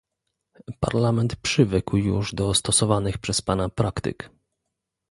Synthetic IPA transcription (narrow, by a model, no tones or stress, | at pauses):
pa̰ɾlamɛnt̪pʂɘvɘkwjṵʐd̪ɔst̪ɔsɔvanɘxpʂɛspanapɾakt̪ɘ̰k